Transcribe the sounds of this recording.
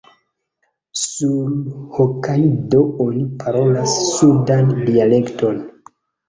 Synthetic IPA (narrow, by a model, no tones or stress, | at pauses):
sulhokajdoonipʰaɾo̞lasːudandiale̞kto̞n